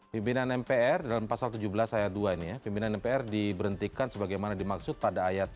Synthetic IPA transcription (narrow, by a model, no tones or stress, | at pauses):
pimpinanɛmpeɛrdalampasalt̪ud͡ʒubəlasajat̪̚duainijapimpinanɛmpeɛrdibəɾənt̪ikansəbaɡajmanadimaksʊt̪̚padaːjat̪̚